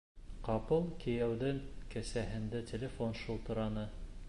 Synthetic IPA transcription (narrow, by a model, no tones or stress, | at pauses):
qɑpɤlˠkɘ̆jæwðɘŋkæsæɦɘ̆nd̪ætʲĕlʲefonʃɤ̆lˠt̪ɤ̆ɾɑnɤ